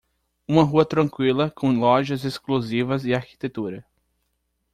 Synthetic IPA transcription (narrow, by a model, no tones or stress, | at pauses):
ũmɐɦuɐt̪ɾɐ̃kwilɐkʰõlɔʒɐzesklozivɐzɪaɾki̥t̪et̪uɾɐ